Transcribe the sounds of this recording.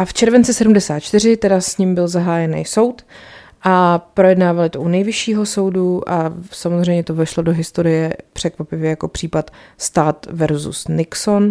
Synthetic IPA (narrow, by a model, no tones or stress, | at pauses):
ʔaft͡ʃɛɾvɛnt͡sɪsɛdumdɛsaːt̪t͡ʃt̪ɪr̝ɪt̪ɛdasɲɪmbɪlzaɦaːjɛnɛ̰jso̞wt̪ | ʔapɾo̞jɛdnaːvalɪt̪oʔunɛjvɪʃiːɦo̞so̞wduʔasamozr̝ɛjmɲɛt̪ovɛʃlodo̞ɦɪst̪o̞ɾɪjɛpr̝̥ɛkvapɪvjɛjako̞pr̥iːpat̪st̪aːt̪vɛɾzṵsnɪkso̞n